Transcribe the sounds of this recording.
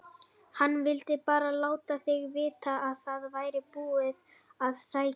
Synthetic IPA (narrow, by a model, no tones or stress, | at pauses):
hanːvɪlt̪ɪpaːɾalaːwt̪aθɪɣvɪːt̪aːðθaðvaːjɾɪpuːɪð | aðsaːj